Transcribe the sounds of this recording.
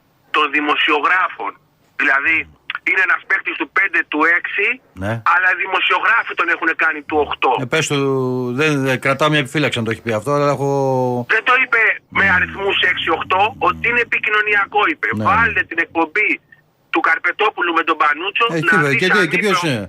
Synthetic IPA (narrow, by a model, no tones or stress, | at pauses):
t̪o̞nðimo̞sio̞ɣɾɐfo̞n | ðilɐði | inenɐspek̚t̪ist̪upe̞nd̪e̞t̪ue̞ksineɐlɐiðimo̞sio̞ɣɾɐfit̪o̞nexune̞kɐnit̪uo̞xt̪o̞epest̪oðekɾɐt̪ɐomɲɐepifilɐksiɐnt̪oeçi̥piɐft̪oɐlɐexoðend̪o̞ipe̞meɐɾiθmuse̞ksio̞xt̪o̞ot̪iine̞ːpicino̞niɐko̞ipe̞nevɐlet̪et̪ine̞k̚po̞mbi | t̪ukɐɾpe̞t̪o̞pulumet̪o̞bɐnut͡soiiesepçosine